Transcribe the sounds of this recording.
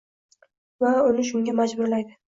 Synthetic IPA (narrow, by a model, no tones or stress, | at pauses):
vaʊnɪʃ̬ʊŋɡʲamad͡ʒbʊɾlajd̪ɪ